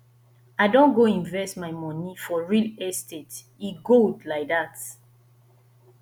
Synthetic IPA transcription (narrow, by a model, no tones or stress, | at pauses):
aɪdõnɡoĩnvɛstmaɪmɔ̃nifɔɹilɛstet | iɡoldlaɪk̚ðat